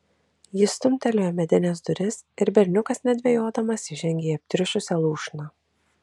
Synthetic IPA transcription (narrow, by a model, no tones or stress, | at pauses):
jɪst̪ʊmʲt̪ʲɛlʲoːjɛmʲɛd̪ʲɪnʲɛs̬d̪ʊɾʲɪsɪɾbʲɛɾʲnʲʊkɐsnʲɛd̪ʲʋʲɛjoːd̪ɐmɐsʲɪʒʲɛŋʲɡʲejɛp̚ʲt̪ʲɾʲʊʃʊsʲɛlˠuːʃnɐ